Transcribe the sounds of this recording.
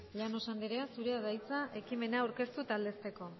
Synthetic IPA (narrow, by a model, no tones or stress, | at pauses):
ʎano̞sand̪eɾe̞asuɾe̞aðajt͡saʔe̞kime̞nawɾke̞st̪ut̪ald̪e̞st̪e̞ko̞